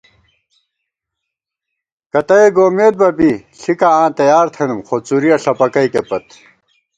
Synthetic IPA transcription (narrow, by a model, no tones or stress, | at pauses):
kɐt̪ɐeɡoːmeːd̪̚bɐbiɬikaãːt̪ɐjaːɾt̪ʰenumxot͡suɾiɐɬɐpɐkɐjkepɐt̪